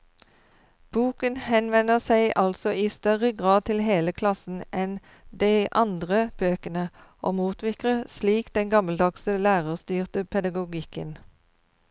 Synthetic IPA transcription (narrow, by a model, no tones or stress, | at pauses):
b̥uːkənhɛnʋɛnəʁsæɪʔɑlsɔiːst̪œʁəɡʁɑːd̪̚t̪ʰɪlɦeːləkʰlɑsn̩ɛn | d̪æɪʔɑnd̪ʁəb̥øːkənəʔoːmuːt̪ʰʋɪkʁəsliːkd̪̥ɛnɡɑməld̪ɑksəlæːʁəʁst̪yːʁt̪əpʰɛd̪ɑɡʊɡɪkən